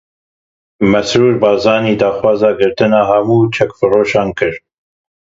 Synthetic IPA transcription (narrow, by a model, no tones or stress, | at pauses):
mɛsɾuːɾbɑːzɑːniːd̪ɑːxwɑːzɑːɡɨɾt̪ɨnɑːɦɛmuːt͡ʃʰɛkfɨroːʃɑːnkɨɾ